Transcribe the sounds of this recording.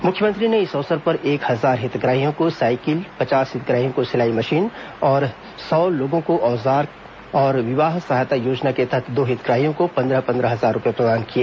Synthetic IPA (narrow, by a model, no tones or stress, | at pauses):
mʊkʰjəmə̃nt̪ɾineɪsɔʋsəɾpɐɾʔeːkhɐzaːɾɦɪt̪ɡɾaːɦijõkosaːɪkɪlpɐt͡ʃaːsɦɪt̪ɡɾaːɦijõkosɪlaːimɐʃiːn | ɔːɾ | sɔːloːɡõkoʔɔːzaːɾk | ɔːɾʋɪʋaːɦsɐɦaːjt̪ajoːd͡ʒnaket̪ɐɦɛt̪ʰd̪oːɦɪt̪ɡɾaːɦijõkopɐ̃nd̪ɾəpɐ̃nd̪ɾəɦɐzaːɾːʊpɛapɾɐd̪aːnkiaː